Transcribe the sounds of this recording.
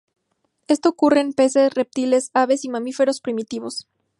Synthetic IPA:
e̞st̪o̞ːkureːmpe̞se̞sre̞p̚t̪ile̞saβe̞simãmife̞ɾo̞spɾimit̪iβo̞s

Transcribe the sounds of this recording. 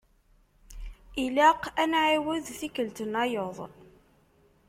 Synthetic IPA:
ilaqænʕiwəðθikːəlt̪ənɑjoðˤ

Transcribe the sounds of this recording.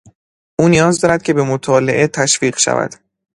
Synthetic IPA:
ʔuːnijɒːzd̪ɒːɾæd̪̥̚cʰe̞be̞mot̪ʰɒːle̞ʔe̞t̪ʰæʃfiːɢʃæ̰væ̰d̪̥

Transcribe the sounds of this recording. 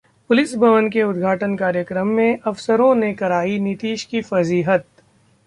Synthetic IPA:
pʊlɪsbʱɐʋənkeʊd̪ɡʱaːʈənkaːɾjəkɾəmːẽʔɐfsəɾõnekɐɾaːinɪt̪iːʃkifɐziːɦət̪̚

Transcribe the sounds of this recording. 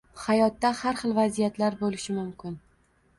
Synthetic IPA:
hajɒt̪ːahaɾχɨlˠvazijat̪laɾbolɪʃɪmʊmkʲɪn

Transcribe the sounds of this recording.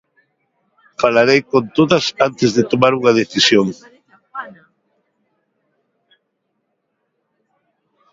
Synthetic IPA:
falaɾejkont̪oðɐsant̪ɪzðɪt̪omaɾuŋaðeθisjoŋ

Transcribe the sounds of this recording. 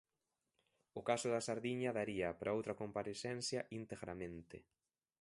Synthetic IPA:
ʊkasʊðasaɾðiɲɐðaɾiɐpaɾaowt̪ɾɐkompaɾeθɛnθjɐʔint̪eɣɾa̰mẽnt̪ɪ̰

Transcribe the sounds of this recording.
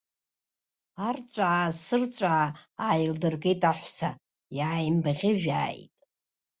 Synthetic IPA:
art͡sʷʼaasɨrt͡sʷʼaːaːjldɨrɡejtʼaħʷsa | jaːjmbaʁʲɪʒᶣa̰ːjtʼ

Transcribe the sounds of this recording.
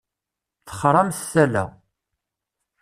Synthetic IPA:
t͡sːə̥χɾˤɑmθsælæ̰

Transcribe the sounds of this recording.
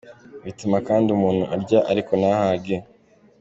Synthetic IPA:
witumakaːndiumuːn̥huʔaɾɟaʔaɾiko̞nahaɡe

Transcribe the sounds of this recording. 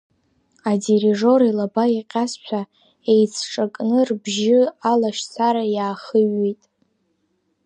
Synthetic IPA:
adeɾiʐo̞ɾilabaiqʲʼast͡ʃʷʰa | ejt͡sʰʈ͡ʂʼakʼnɨrbʒɪalaʃsʰaɾajaːχəɥːijtʼ

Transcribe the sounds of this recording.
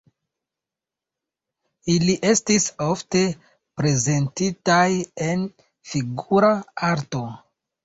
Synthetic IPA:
iliʔe̞stiso̞fte̞ | pɾe̞ze̞ntitajen | fiɡuɾaaɾto̞

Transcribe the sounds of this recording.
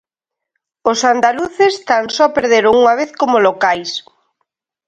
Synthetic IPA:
osand̪aluθɪst̪ansɔapeɾðeɾʊŋuŋaβ̞eθkomolokajs

